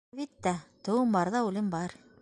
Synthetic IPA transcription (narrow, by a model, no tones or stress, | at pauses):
βit̪ːæt̪ŏwɤmbɑɾðɑʉlɘmbɑɾ